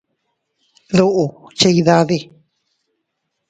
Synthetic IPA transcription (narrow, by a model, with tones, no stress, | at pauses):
ðu˦ʔu˨t͡ʃa˧i˧ða˦˧ði˧